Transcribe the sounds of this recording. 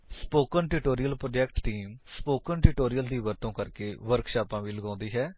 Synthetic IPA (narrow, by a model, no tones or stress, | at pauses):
spoːkənʈɪʈoːɾijəlpɾoːd͡ʒɛːkʈːiːmspoːkənʈɪʈoːɾijəld̪iːʋəɾt̪õːkəɾkeːʋəɾkʃaːpãːʋiːləɡãːnd̪iːɦɛː